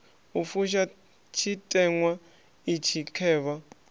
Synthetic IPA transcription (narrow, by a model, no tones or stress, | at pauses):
ufuʃ̬a | t͡ʃʰitʼɛŋwa | it͡ʃʰikʰɛːβa